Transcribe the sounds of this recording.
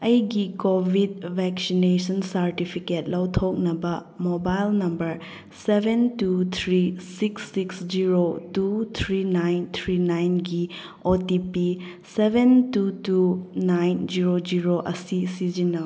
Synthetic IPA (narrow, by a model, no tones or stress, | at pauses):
ɐjɡikobʱid̚bʱɛk̚sinesɐnsɐɾtipʰiket̚lɐwtʰok̚nɐbɐ | mobajlnɐmbɐɾ | sebʱentut̪ʰɾisiksːiksd͡ʒiɾotut̪ʰɾinajnt̪ʰɾinajnɡi | otipi | sebʱentutunajnd͡ʒiɾod͡ʒiɾoʔɐsisid͡ʒinɐ